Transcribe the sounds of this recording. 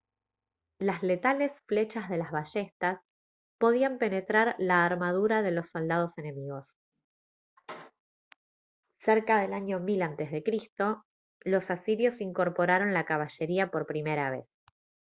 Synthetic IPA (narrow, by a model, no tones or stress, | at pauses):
lasle̞t̪ale̞sfle̞t͡ʃazðe̞lazβaʃe̞st̪as | po̞ð̞iampe̞ne̞t̪ɾaɾlaːɾmað̞uɾað̞e̞lo̞sːo̞ld̪að̞o̞se̞ne̞miɣo̞s | seɾkaðe̞laɲo̞milant̪e̞zðe̞kɾist̪o̞ | lo̞sasiɾjo̞siŋko̞ɾpo̞ɾaɾo̞nlakaβ̞aʃe̞ɾiapo̞ɾpɾime̞ɾaβ̞e̞̰s